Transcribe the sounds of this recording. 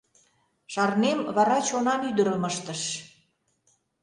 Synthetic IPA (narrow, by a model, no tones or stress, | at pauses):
ʃɑrnemβɑɾɑt͡ɕonɑnyd̪əɾəməʃt̪əʃ